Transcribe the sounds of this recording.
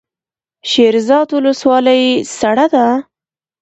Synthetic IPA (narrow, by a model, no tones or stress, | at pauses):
ʃeɾzɑd̪wʊləswɑləjsaɽad̪a